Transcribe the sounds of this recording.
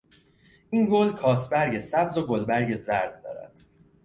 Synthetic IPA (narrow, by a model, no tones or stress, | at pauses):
ʔinɡolkʰɒːsʰbæɾɟesæbzo̞ɡolbæɾɟezæɾd̪̚d̪ɒ̰ːɾæ̰d̪̥